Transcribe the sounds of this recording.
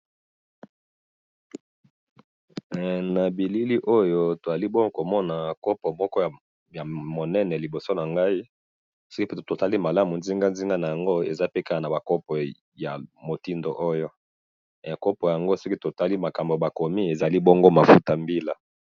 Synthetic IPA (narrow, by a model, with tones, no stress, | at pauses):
na˨bi˨li˦li˦ʔo˦jo˦to˨za˨li˦bo˦ŋɡo˦ko˨mɔ˦na˨ko˦pɔ˨mɔ˦kɔ˦j | ja˨mo˨nɛ˦nɛ˨li˨bo˨so˦na˨ŋɡa˦i˦ | so˦ki˦to˨ta˦li˦ma˨la˦mu˨nzi˦ŋɡa˦nzi˦ŋɡa˦na˨ja˨ŋɡo˦ḛ˨za˦pe˦ka˦a˨na˨ba˨kɔ˦pɔ˨ | ja˨mo˨ti˦ndo̰˨ʔo˦jo˦˨ | a˨ko˦po˨ja˨ŋɡo˦so˦ki˦to˨ta˦li˦ma˨ka˨mbo˨ba˨ko˨mi˦e˨za˨li˦bɔ˦ŋɡo˦ma˨fu˦ta˨mbi˦la˦